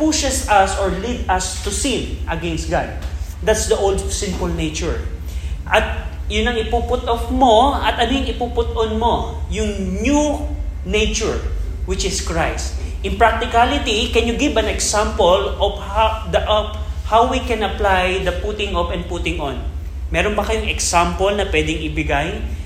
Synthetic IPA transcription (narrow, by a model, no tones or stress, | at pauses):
puʃɛsɐsɔɹlid̪ɐst̪usɪ̃nʔɐɡɛnst̪̚ɡa̰d̪̚d̪at̪sd̪ɐʔowld̪sɪ̃npʊlnejt͡ʃʊɹ | ʔɐt̪̚ | jʊnɐŋɪpupʊt̪ʔɔfmoɐt̪ɐnojŋɪpupʊt̪ɔnmo | jʊŋnjunejt͡ʃʊɹ | wɪt͡ʃɪskɹajst̪̚ʔɪ̃npɹak̚t̪ɪkalɪt̪ikɛnjʊɡɪbɐ̃nɛksãmpolɔv̥had̪ɐʔɐphawwikɛ̃nɐplajd̪ɐpʊt̪ɪŋʔɔpɛ̃n̚put̪ɪŋõn | mɛːɾonbɐkɐjʊŋɛksampolnɐpwɛd̪ɪŋɪbɪɡaj